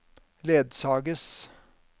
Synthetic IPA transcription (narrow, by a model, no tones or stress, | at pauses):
leːd̪sɑːɡəs